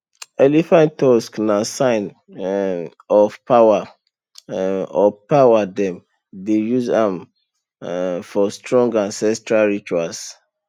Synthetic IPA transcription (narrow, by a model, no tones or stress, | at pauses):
ɛlifãntɔsknasãɪn | ɔfpaa | ɔpawadɛ̃m | dejuzãm | fɔstɹɔ̃ŋɡãnsɛstɹalɹit͡ʃuals